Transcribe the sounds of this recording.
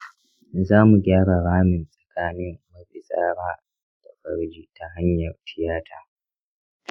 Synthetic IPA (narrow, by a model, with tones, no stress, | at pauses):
zaː˦mu˨ɡʲaː˦ɽa˨ɽaː˦mɪ˨nsʼɐ̥˨kaː˦nɪ˦mːɐ˦sʼɪ˨sa̰ː˦ɾaː˦ | d̥a˨ɸɐ˦ɽd͡ʒiː˦ta˦ɦa˦ɲjɐ˨rɸɪ˦jaː˦tʰaː˦